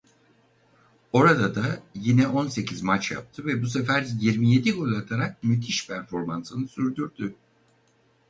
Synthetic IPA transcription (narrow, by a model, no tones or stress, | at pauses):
o̞ɾad̪ad̪ajinɛʔo̞nse̞cʰizmat͡ʃja̰p̚t̪ʰɯvɛbusefæɾjiɾmije̞d̪iɡo̞lʲˠat̪ʰaɾak̚myt̪ʰiʃpʰæɾfo̞ɾmansɯnɯsyɾd̪yɾd̪y